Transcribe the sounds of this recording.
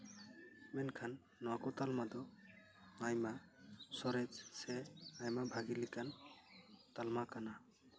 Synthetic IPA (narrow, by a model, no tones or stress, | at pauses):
mɛnkʰanː | ɔwakɔt̪almad̪ɔ | ajmasɔɾɛd͡ʒsɛajmabʱaɡilikan | t̪almakana